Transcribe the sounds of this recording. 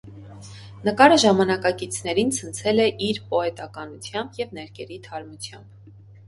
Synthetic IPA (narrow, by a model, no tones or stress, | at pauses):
nəkɑɾəʒɑmɑnɑkɑkit͡sʰn̪ɛɾint͡sʰənt͡sʰɛlɛʔiɾpɔɛt̪ɑkɑnut͡sʰjɑmbjɛvnɛɾkʰɛɾit̪ʰɑɾmut͡sʰjɑmb̥